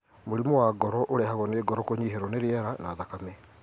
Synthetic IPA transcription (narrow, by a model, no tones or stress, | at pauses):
moɾimowaːɡɔɾɔʔoɾɛhaɣɔneːɡɔɾɔkoɲiɦeɾɔneɾiɛɾanaːðakame